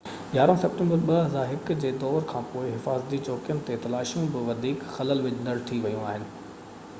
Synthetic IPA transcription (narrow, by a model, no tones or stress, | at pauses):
ɡaːɾõsɐp̚ʈẽmbəɾɓɐɦɐzaɦɪkd͡ʑeːd̪ɔːɾkʰãːpoːɪɦɪfaːzət̪it͡ɕɔːkijənɪ̆t̪et̪ɐlaːʃijũbɪʋɐd̪ʱiːkxɐləlʋɪd͡ʑnɐɽt̪ʰiʋɐjũaːɦɪnɪ̆